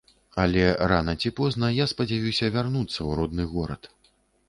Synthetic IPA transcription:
ɐlʲɛɾanɐt͡sʲipɔznɐjaspɐd͡zʲavʲuwsʲɐvʲarnut̪sːɐwɾɔd̪nɨɣɔɾɐ̰t̪

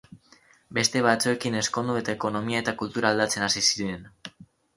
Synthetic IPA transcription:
be̞st̪e̞βat͡sue̞kine̞sko̞nd̪ue̞t̪aeko̞no̞miae̞t̪akult̪uɾaːld̪at͡se̞nasisiɾe̞n

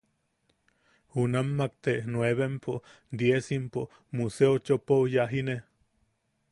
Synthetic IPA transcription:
hunamːakt̪enweβempʰo | d̪jesimpo | museot͡ʃopowjaɦine

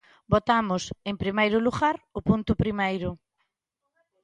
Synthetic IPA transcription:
bot̪amʊseŋpɾimejɾʊluɣaɾʊpunt̪ʊpɾimejɾʊ

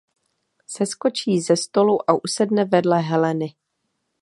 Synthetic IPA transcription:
sɛsko̞t͡ʃiːzɛst̪o̞luʔaʔusɛdnɛvɛdlɛɦɛlɛnɪ

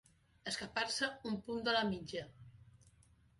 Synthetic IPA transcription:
əskapaɾsəumpund̪əlamid͡ʒə

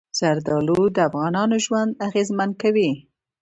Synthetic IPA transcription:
z̥aɾd̪ɑlud̪əafɣɑnɑnoʒwand̪aɣezmankawi

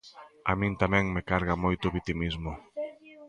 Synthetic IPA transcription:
a̰mĩnt̪amɛ̃ŋmekaɾɣ̞amojt̪ʊβit̪imizmʊ

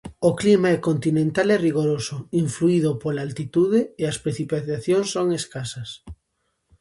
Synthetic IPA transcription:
oklimaɛkont̪inẽnt̪alɛriɣoɾosʊiɱfluiðʊpolaalt̪it̪uðeeɐspɾeθipaθaθjoŋsːoŋeskasɐs

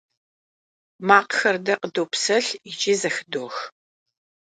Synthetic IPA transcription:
maːqxɐrdɐqədoːpsɐɬɪt͡ʃʼiːzɐxɨdoːx

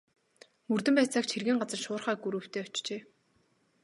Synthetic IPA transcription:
mɵrt̪ɘ̆mpæːt͡saːkt͡ɕʰerɣɘ̆ŋɢat͡sə̆rʃʊːrχæːɡuɾŭːw̥t̪ʰeːɔ̥t͡ɕt͡ɕeː

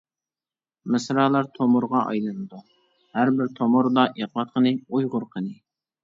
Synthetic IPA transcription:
mɨsɾɑːlˠɑɾt̪ʰomʊɾʁɑʔɑ̰jlˠɨnɨd̪u | hæɾbɪɾt̪ʰomʊɾd̪ɑʔeq̚bɑt̪̚qʰənɨujʁʊɾqʰənɨ

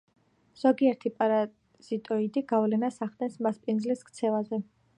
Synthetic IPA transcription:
z̥ɔɡiɛɾt̪ʰipʼaɾa | z̥it̪ʼɔid̪iɡ̥avlɛnasaχd̪ɛnsmaspʼinzliskʰt̪sʰɛvazɛ

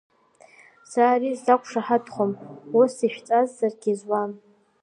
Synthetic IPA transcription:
saːrizakʷʰʂaħadχʷomusiʃᶣt͡sʼazːarɡʲizwam

